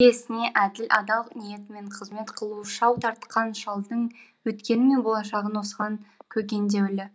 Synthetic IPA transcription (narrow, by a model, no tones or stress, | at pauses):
e̞sɪne̞ʔæd̪ɪlʔɑ̰d̪ɑlˠnije̞t̪ɪme̞ɴqʰəzme̞t̪qʰəlˠuʃɑwt̪ʰɑɾt̪qɑnʃɑlˠd̪əɴwɵt̪kʲe̞nɪme̞nbo̞lˠɑʃɑʁənwo̞sʁɑɴkʲʰɵkʲe̞nd̪e̞wɪlɪ